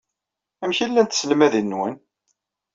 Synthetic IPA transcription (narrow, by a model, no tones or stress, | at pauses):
æmçilːænt̪sləmæðinːwən